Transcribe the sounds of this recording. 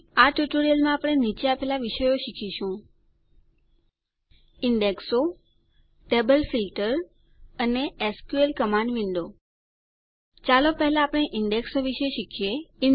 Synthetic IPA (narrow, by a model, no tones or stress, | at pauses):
aʈjuʈoɾijəlmãapɽ̃enit͡ʃapɛɦlaʋiʃəjoʃikʰiʃũ | ɪɳɖekso | ʈebəlfilʈəɾ | əneeskjuelkəmaɳɖʋɪɳɖo | t͡ʃalopɛɦɛlaːpəɽ̃eʔɪɳɖeksoʋiʃeʃikʰije